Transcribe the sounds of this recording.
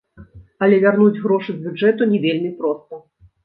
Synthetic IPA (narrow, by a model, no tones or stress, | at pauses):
ɐlʲɛvʲarnud͡zʲɣɾɔʂɨzbʲud͡ʐɛt̪unʲɛvʲelʲmʲipɾɔst̪ɐ